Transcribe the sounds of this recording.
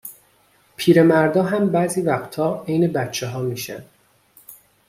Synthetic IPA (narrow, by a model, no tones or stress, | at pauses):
pʰiːɾe̞mæɾd̪ɒːɦæmbæːziːvæxt̪ʰhɒːejne̞bæt̪t͡ʃʰeɦɒːmiːʃæ̰nd̪̥